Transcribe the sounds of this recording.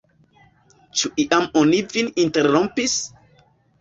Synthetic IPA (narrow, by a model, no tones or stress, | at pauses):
t͡ʃuʔiʔamonivininteɾõmpis